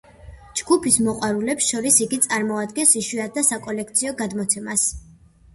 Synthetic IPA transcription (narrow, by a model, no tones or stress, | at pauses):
d͡ʒɡupʰismɔqʼwaɾulɛpsʃɔɾisiɡit̪sʼaɾmɔad̪ɡɛnsiʃwiad̪asakʼɔlɛkʰt̪sʰiɔɡad̪mɔt̪sʰɛmas